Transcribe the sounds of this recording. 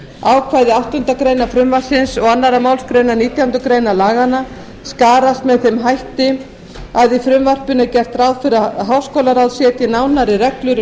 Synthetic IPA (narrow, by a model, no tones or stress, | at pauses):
aːwkʰvajðɪawht̪ʏnt̪akɾeːjnafɾʏmvar̥sɪnsɔɣanːaɾamaːwlskɾeɥnaniːt̪jawnt̪ʏkɾejnalaːɣana | skaːɾast̪mɛðθɛmɦajht̪ɪ | aðifɾʏmvar̥pʏnacɛr̥t̪rawðfɪɾaɦaːwskoːwlaɾawðsjɛt̪jɛnawnaɾɪrɛklʏɾʏ